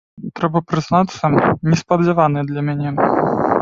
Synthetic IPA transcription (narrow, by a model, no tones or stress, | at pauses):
t̪ɾɛbɐpɾɨznat̪sːɐnʲɛspɐd͡zʲɛvanɨjd̪lʲɐmʲanʲɛ